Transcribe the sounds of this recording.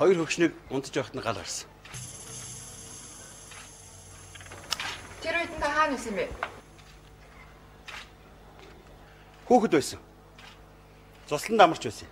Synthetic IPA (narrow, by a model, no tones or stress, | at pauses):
χɔjɞ̆rxɵkʃniːkʊnt͡s̪ə̥̆t͡ɕpæːχt̪ənɢaɮʁa̰rsə̆ŋ | t̪ʰeɾujt̪ɘ̆nt̪ʰaχaːnisɘ̆mpe | xuːxɘ̆t̪pæːsə̆ŋ | t͡sʊsɮə̆nt̪amə̆r̥t͡ɕpæːsə̆ŋ